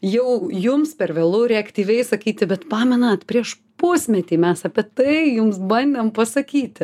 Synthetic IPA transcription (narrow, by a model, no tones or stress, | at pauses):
jɛʊjʊmspʲɛrʋʲeːlˠʊɾʲɛɐkt̪ʲiːʋʲɛɪsɐkʲiːt̪ʲɪbʲɛt̪pɑːmʲɛnɐt̪pʲɾʲiɛʃ | pʊsʲmʲɛt̪ʲiːmʲɛsɑpʲiɛt̪ɐɪjʊmsbɐnʲd̪ʲempɐsɐkʲiːt̪ʲɪ